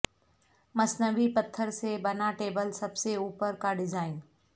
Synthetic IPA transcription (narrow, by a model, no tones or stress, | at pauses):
mɐsnəʋipɐt̪ʰːəɾsebɐnaʈeːbəlsɐbseuːpəɾkaɖɪzaːɪn